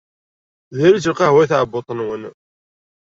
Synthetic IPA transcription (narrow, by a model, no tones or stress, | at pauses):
ðiɾit͡səlqɑhwæjθʕbot̪ˤənwən